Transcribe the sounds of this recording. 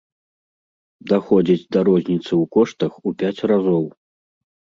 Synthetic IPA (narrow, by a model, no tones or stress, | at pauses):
d̪axɔd͡zʲid͡zʲd̪ɐɾɔzʲnʲit̪sɨwkɔʂt̪ɐxupʲat͡sʲrazɔw